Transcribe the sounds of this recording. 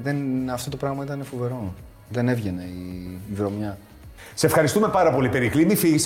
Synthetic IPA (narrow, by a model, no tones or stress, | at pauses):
ðenɐft̪o̞t̪opɾɐɣmɐit̪ɐnefuve̞ɾo̞ | ðe̞ne̞vʝene̞iːvɾo̞mɲɐ | seefxɐɾist̪ume̞pɐɾɐpo̞lipe̞ɾiklimifiʝis